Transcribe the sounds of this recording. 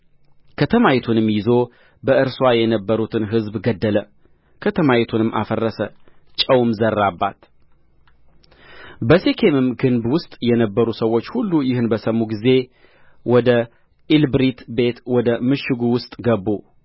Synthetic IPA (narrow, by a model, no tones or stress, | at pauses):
kʰət̪ʰəmajit̪ʰunɨmːjɪzo̞ | bəʔɨɾswajɛnəbːəɾut̪ʰɨnɦɨzbɡəd̪ːələ | kʰət̪ʰəmajit̪ʰunɨmʔa̰fərːəsət͡ʃʼəwmzərːabːa̰t̪ | bəsekʰe̞mɨmɡɨnbwʊst̪ʼjɛnəbːəɾusəwːo̞t͡ʃːhulːujɪhɨnbəsəmːuɡize̞ | wɔd̪ə | ilbɾit̪be̞t̪wɔd̪əmɨʃːɪɡuwʊst̪ʼɡəbːu